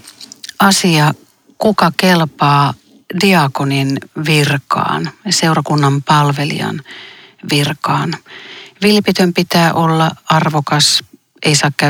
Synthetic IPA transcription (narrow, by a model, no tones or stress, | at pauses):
ɑsiɑ | kukɑkelpɑː | diɑkoninʋirkɑ̰ːnseurɑkunːɑmpɑlʋelḭɑ̰nʋirkɑːnʋilpit̪ømpit̪æːʔolːɑɑrʋokɑs | ʔeisɑːkkæ